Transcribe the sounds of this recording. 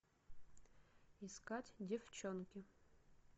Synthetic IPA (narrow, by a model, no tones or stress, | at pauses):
iskatʲdʲɪft͡ɕonkʲɪ